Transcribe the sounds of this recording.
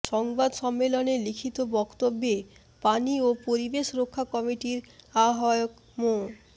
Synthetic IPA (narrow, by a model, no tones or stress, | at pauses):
ʃɔŋbad̪ʃɔmːelonelikʰit̪obɔkt̪obːe | paniopoɾibeʃɾokʰːakɔmiʈiɾaɦɔeok | mo